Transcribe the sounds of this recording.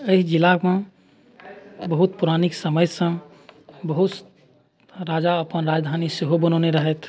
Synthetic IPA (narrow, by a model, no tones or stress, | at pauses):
əid͡ʒilaɡmẽ | bəɦut̪̚puɾaniksəməjsə̃ | bəɦut̪ | ɾad͡ʒaəpənɾad͡ʒd̪ʱaniseɦobənəneɾəɦɛt̪ʰ